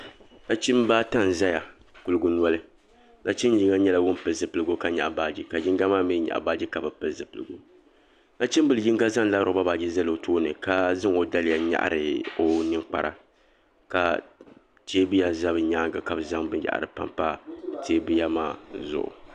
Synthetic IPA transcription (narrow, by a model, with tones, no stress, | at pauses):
na˦t͡ʃi˦m˦baː˦ta˦n˨za˦ja˨ | ku˦lɨ˦ɡʊ˦n˦ɔ˦lɨ˦ | na˦t͡ʃi˦ji˦ŋa˦ɲɛ˦la˨wʊ˦npɨ˨zɨ˨pɨ˨lɨ˦ɡo˦ka˦ɲa̰˨ʔbaː˦d͡ʒi˦ka˨d͡ʒɪ˦ŋɡa˦maː˦˨me˦ɲa̰˨ʔbaː˦d͡ʒi˦ka˨ba˨pɨ˨lzɨ˨pɨ˨lɨ̰˨ɡṵ˦ | na˦t͡ʃi˦m˦bɨ˨lɨ˨d͡ʒi˦ŋɡa˦za˦ŋla˦ɾo˨ba˦baː˨d͡ʒi˦za˦lo˨tʰoː˦nɨ̰˨ka˦zɨ˦ŋo˦da˦lɪ˦ja˨ɲa̰˦ʔɾɨ˨o˦nɨ˦ŋk͡pa̰˨ɾʔa̰˨ | ka̰˨ | t͡ʃeː˦bɨ˦ja˨za˦bɨ˨ɲaː˦ŋɡa˨ka˨bɨ˨za˦ŋbɨ˦nja̰˨ʔa̰˨ɾɨ˨pa̰˦mpa˦˨teː˦bɨ˦ja˦maː˦˨zʊ̰˨ʔʊ̰˨